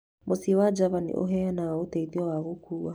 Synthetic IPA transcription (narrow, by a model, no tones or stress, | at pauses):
mosiwad͡ʒaβanḭʔo̰ɦɛanawaotɛiðiɔwaβokuwa